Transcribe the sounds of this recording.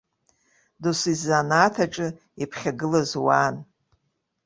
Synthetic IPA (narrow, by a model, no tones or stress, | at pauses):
dusizanaːtʰaʈ͡ʂʼɨ | ipʰχʲaɡɨlazwaːn